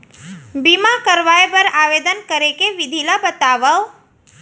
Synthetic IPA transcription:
bimakəɾʋajbəɾaʋed̪ənkəɾekeʋɪd̪ʱilabət̪aʋə

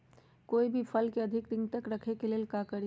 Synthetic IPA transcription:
koːibʱipʰəlkeəd̪ʱɪkd̪ɪŋt̪əkɾəkʰekeleːlkakəɾ

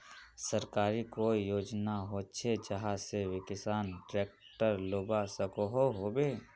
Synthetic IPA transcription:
səɾkaːɾikoːijoːd͡ʒnaɦot͡ʃʰed͡ʒəɦaseʋɪkɪsaːnʈɾeːk̚ | ʈəɾloːbasəkoɦoɦoːbeː

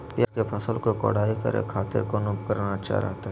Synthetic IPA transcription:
pjakepʰɐsəlkoko̰ːɽaːikə̰ɾḛkʰaːt̪ɪ̰ɾkonʊp̚kəɾnat͡ʃa̰ːɾa̰ːt̪a

